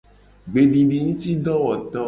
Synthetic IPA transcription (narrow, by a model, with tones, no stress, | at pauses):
ɡ͡be˨ɖi˨ɖi˨ŋũ˦t̪i˦ɖɔ˦wɔ˨t̪ɔ˦